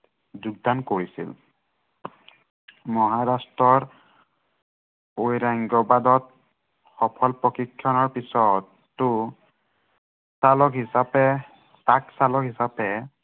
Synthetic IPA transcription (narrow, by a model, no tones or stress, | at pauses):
duɡ̚dankoɹisḭl | mɔɦaɹastɹɔɹ | ojɹaŋɡɔbadɔt̚ | xɔpʰɔlpɹɔkikʰːjɔnɔɹpisɔtː | ʊ | salɔkɦisapɛ | saksalɔkɦisapɛ